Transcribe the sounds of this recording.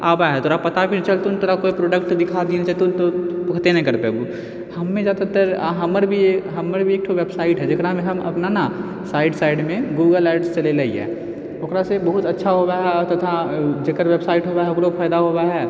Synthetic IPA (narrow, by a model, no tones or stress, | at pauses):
a̰ːbaɦɛt̪oːɾapɐt̪abint͡ʃɐlt̪unt̪oːɾakoːipɾoːɖək̚ʈd̪ɪkʰad̪inset̪ot̪opɐkʰt̪enɐɦĩkɐɾpebu | hɐmːẽzjaːd̪at̪əɾɦɐməɾbʱieɦɐmːəɾbʱieːk̚ʈʰoʋebsaːɪʈɦɛd͡ʒɪkɾamẽɦɐmɐ̰pnana | saːɪɖsaːɪɖmẽɡuːɡəlɛːɖst͡ʃɐlelɐḭɦɛ̰ː | oːkɾasebəɦʊt̪ɐtːʃʰaɦobaɦɛɔɾt̪ɐt̪ʰad͡ʒekəɾʋeːbsaːɪʈɦoːbaɦɛokɾopʰaːɪd̪aɦoːbaɦɛː